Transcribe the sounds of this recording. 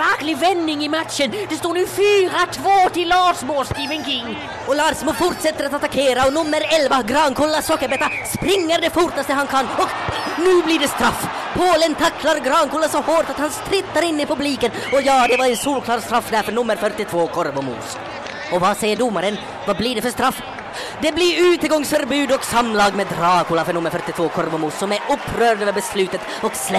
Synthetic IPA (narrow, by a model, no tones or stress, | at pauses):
æklɪvɛnːɪŋɪmat̪ʃənd̪̥ɛst̪oːnʉːfyːɾat̪ʰvoːt̪ɪlɑːʂmoːskibɛŋkɪŋː | ɔlɑːɾsmuːfʊɾʈ̪sɛt̪ːəɾat̪at̪akʰeːɾaɔnʉmːəɾɛlvaɡɾɑːnkʰuːlasɔkːəɾbɛt̪ːaspɾɪŋːəɾd̪ɛfʊɾʈ̪ast̪əhɑnkʰɑnːɔknʉːblɪɖɛst̪ɾɑfː | pʰoːlənt̪ʰakʰlaɾɡɾɑːnkʰuːlasɔhoːʈ̪at̪hɑnst̪ɾɪt̪ːaɾɪnːɪpʰɵbliːkənɔjɑːd̪ɛvɑɾɛnsuːlkʰlɑːɾst̪ɾafːd̪æːɾfœnɵmːəɾfœʈɪt̪ʰvoːkʰɔɾvɔmṵːs | ɔvɑsɛjːəɖʊmːaɾən | vɑblɪɖɛfœʂst̪ɾafː | d̪ɛblɪɾʉːt̪əɡɔŋsfœɾbʉːd̪ɔksɑmːlɑːɡmeːd̪ɾɑːkʰuːlafœnɵmːəɾfœʈɪt̪ʰvoːkʰɔɾvɔmuːsːɔmæɾʊpʰːɾøːɾɖ̪ʋɛbɛslʉːt̪ət̪ | ɔkslɛ